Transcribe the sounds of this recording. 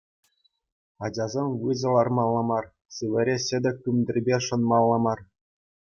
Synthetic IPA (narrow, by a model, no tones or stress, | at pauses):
ɑd͡ʑɑzʲemʲʋɯzɤ̆lˠɑrmɑlˠːɤmɑr | sɯʋʲɘ̆ɾʲeɕɘ̆d̪ʲɘ̆kʲːymʲdʲɘ̆rʲbʲeʂɤ̆nmɑlˠːɤmɑr